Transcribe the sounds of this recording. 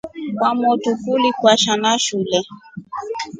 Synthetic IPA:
kwamɔtukulikwaʃanaʃulɛ

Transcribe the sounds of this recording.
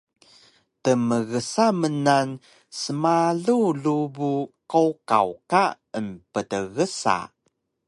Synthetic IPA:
təməɣəsamənan | səmaɮuɮubukoka̰wka | ənpədəɣəsa̰

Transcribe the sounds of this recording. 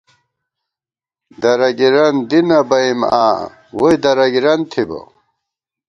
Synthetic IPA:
d̪ɐɾɐɡiɾɐnd̪inɐbɐima̰ː | wojd̪ɐɾɐɡiɾɐnt̪ʰibɐ̰

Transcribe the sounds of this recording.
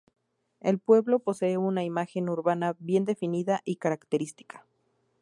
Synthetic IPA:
e̞lpwe̞βlo̞po̞se̞eunaimaxe̞nuɾβanaβje̞nd̪e̞finiðaʔikaɾakt̪eɾist̪i̥kḁ

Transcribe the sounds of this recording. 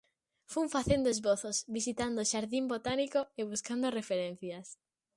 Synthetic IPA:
fuɱfaθend̪oezβoθosβisit̪and̪oʃaɾðimbot̪anikoeβ̞uskand̪orefeɾen̟θjas

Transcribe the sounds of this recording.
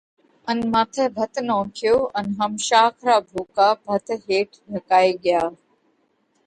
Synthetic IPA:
ənmaːt̪ʰɛːbʱət̪ʰnõːkʰɪjoːənɦəmʃaːkʰɾaːbʱoːkaːbʱət̪ʰɦeːʈʰɖʱəkaːiːɠɪjaː

